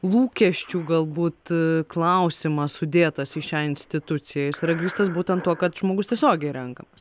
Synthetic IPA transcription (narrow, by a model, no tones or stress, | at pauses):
lˠuːkʲɛʃʲt͡ʃʲuːɡɐlˠbuːt̪klˠɐʊsʲɪmɐsʊd̪ʲeːt̪ɐsɪʃʲæːɪnʲsʲt̪ʲɪt̪ʊt͡ssʲɪjɛsɐɾɐɡɾʲiːst̪ɐs̬buːt̪ʲɛnt̪ːuɔkɐt̪ʒmoːɡʊst̪ʲiɛsʲoːɡʲɛɪɾʲɛŋkɐmɐs